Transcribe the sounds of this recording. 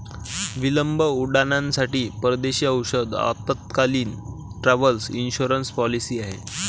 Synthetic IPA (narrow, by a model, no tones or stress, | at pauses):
ʋiləmbəuɽanãnsaʈiːpəɾd̪eɕiːəwɕəd̪a̰t̪ət̪̚kaliːn | ʈɾaʋəlsinɕuɾənspɔlisiːaɦḛ